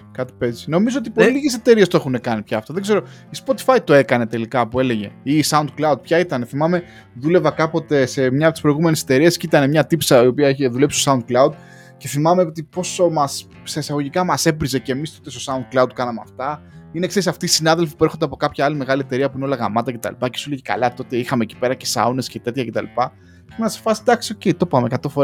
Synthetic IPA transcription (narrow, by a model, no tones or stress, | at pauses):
kɐt̪i̥pe̞zi̥no̞mizoot̪̬ipo̞liliʝese̞t̪e̞ɾie̞st̪oe̞xune̞kɐnipçɐːft̪oðe̞ɡze̞ɾoispo̞t̪i̥fɐjt̪o̞e̞kɐne̞t̪elikɐpue̞le̞ʝe̞̰isɐund̪̚klɐud̪̚pçɐit̪ɐne̞θimɐme̞ | ðule̞vɐkɐpo̞t̪e̞se̞mɲɐt̪spɾo̞iɣume̞nise̞̥t̪e̞ɾiescit̪ɐne̞mɲɐt̪ipsɐio̞piɐeçeðule̞psist̪osɐund̪̚klɐud̪̚ | ce̞θimɐme̞ot̪ipo̞somɐs | sɐisɐɣo̞ʝikɐmɐse̞bɾize̞cemist̪ot̪est̪osɐund̪̚klɐud̪̚kɐnɐmeɐ̰ft̪ɐineksesɐft̪iːsinɐðe̞lfi̥puexod̪eɐpo̞kɐpçɐɐlime̞ɣɐlie̞t̪e̞ɾiɐpuineolɐɣɐmɐt̪ɐce̞t̪ɐ̰lḭpɐcesuleʝikɐ̰lɐt̪o̞t̪e̞ixɐmeci̥pe̞ɾɐce̞sɐ̰unescet̪e̞t̪çɐcet̪ɐlipɐ | menɐse̥fɐsi̥d̪ɐksio̞ce̞jt̪o̞pɐmekɐt̪o̞foɾ